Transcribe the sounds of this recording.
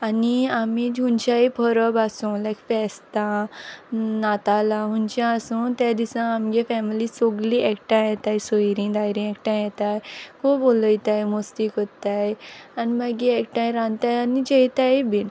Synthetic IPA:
aniamid͡ʑunt͡ɕaipʰəɾəbasũlajkfɛst̪a | nat̪alaɦunt͡ɕãːsũt̪jad̪isãamɡefɛmilisoɡliʔɛkʈãjɛt̪ajsɔjɾĩd̪ajɾĩɛkʈãjɛt̪ajkõboləjt̪ajmost̪iːkɔt̪ajanimaɡiɛkʈãjɾãnt̪ajanid͡ʑejt̪aibin

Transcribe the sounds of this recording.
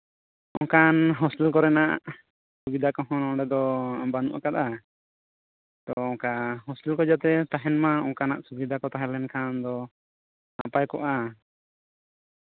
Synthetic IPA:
ɔ̃kanɦɔsilkɔɾɛnaʔ | subid̪ʱakɔɦɔ̃nɔ̃ɖɛd̪ɔambanṵʔa̰kat̪a | t̪ɔɔ̃ŋkaɦɔsilkɔd͡ʒat̪ɛt̪aɦɛnmaɔ̃ŋkanaʔsubid̪ʱakɔt̪aɦɛlɛnkʰand̪ɔ | na̰pajkɔ̰ʔa

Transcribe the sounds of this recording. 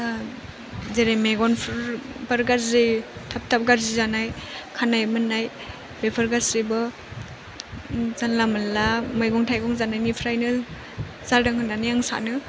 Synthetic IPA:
zeɾemeɡɔnpʰɾpaɾɡaɾzitʰap̚tʰap̚ɡaɾzizanajkʰanajmɯnːaj | bepʰaɾɡazibɔ | zanlamalamajɡɔŋtʰajɡɔŋzanajnipʰɾajnɯ | zaldɯŋhɯndanijaŋsa̰nɯ

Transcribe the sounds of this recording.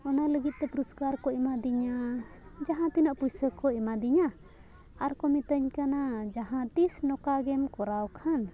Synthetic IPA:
ɔnaləɡit̪̚ˀt̪ɛpuɾuskaɾkɔʔimad̪iɲad͡ʒaɦãt̪inaʔpujsəkɔimad̪iɲa | aɾkɔmit̪əɲkanad͡ʒaɦãt̪isnɔkaɡɛmkɔɾawkʰan

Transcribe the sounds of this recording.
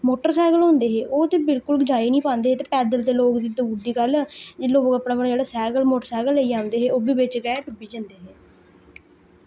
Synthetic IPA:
moːʈəɾsɛːɡəlɦõːnd̪eːɦeːʔoːt̪eːbɪlkʊlɡɪd͡ʒaːiːnĩːpãːnd̪eːɦeːt̪eːpɛːd̪əlt̪eːloːkd̪iːd̪uːɾd̪iːɡəld͡ʒɪloːɡəpɽaːbənd͡ʒeːɽaːsɛːɡəlmoːʈəɾsɛːɡəlːəiːaːʊ̃nd̪eːɦeːoːbiːbɪt͡ʃɡɛːʈʊbiːd͡ʒənd̪eːɦeː

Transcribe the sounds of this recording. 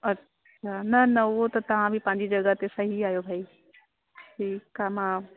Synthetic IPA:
ɐtːʃʰaːnɐnɐʊɦot̪ɐt̪ɐʋ̤ãbʱipɐ̃ɦɪ̃ɲ̆d͡ʑid͡ʑɐɡəɦt̪esɐɦiaːjobʱaːi | ʈʰiːkamãː

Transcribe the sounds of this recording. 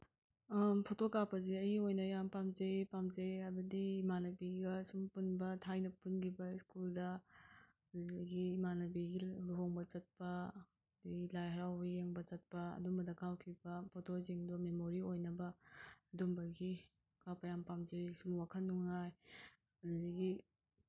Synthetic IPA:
pʰotokapɐzeɐjiojnɐjampamzejpamzejabɐdiːmanɐbiɡɐsumpunbɐtʰajnɐpunɡibɐiskuldɐ | ɡiːmanɐbiɡiluɦoŋbɐt͡ʃɐt̚pɐ | diɡilajɦɐɾawbɐjeŋbɐt͡ʃɐt̚pɐɐ̰dumbɐdɐkawkʰibɐpʰotʰoziŋdumemoɾiojnɐbɐːdumbɐɡi | kapɐjampamzejsumwakʰɐnːuŋaj | ɐlziɡi

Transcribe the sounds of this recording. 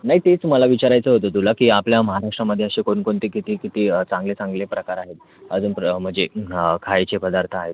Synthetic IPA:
naɦit̪et͡sməlaʋit͡ɕaɾajt͡səɦot̪ot̪ulakiːapljaməɦaɾaʂʈɾaməd̪ʱːjeəɕekoɳkoɳt̪ikit̪iːkit̪iːt͡sãŋɡlet͡sãŋɡlepɾəkaɾaɦet̪̚ | əd͡zuːnpm̤əd͡zekʰajt͡ɕepəd̪aɾt̪ʰaaɦet̪

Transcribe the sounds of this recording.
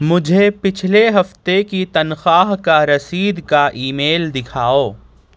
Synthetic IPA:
mʊd͡ʒʱepɪt͡ʃʰleɦɐft̪ekit̪ɐnxaːɦkaɾɐsiːd̪kaʔiːmeːld̪ɪkʰaːoː

